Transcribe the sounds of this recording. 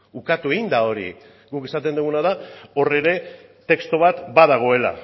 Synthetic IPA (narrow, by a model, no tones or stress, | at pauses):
ukat̪ue̞ɣind̪ao̞ɾḭ | ɡukesat̪̬e̞nd̪uɣunaðao̞re̞ɾe̞t̪e̞kst̪oβ̞at̪baðaɣ̞o̞e̞la̰